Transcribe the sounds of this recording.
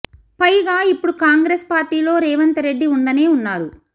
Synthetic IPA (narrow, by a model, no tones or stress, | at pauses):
pɐjɡaːipːuɽukaːŋɡɾeːspaːɾʈiːlo̞ːɾɛːʋɐnt̪ɐɾe̞ɖːiuɳɖɐneːunːaːɾu